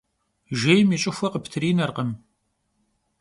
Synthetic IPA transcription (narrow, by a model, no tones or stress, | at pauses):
ʒeːjmit͡ʃʼɪxʷɐqəpʰtʰɨriːnɐrqəm